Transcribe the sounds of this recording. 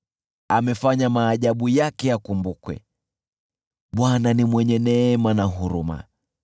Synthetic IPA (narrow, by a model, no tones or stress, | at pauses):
amɛfaɲamaːʄaɓujakɛjakumbukwɛ̰ | ɓwananimwɛɲɛnɛmanaɦuɾuma̰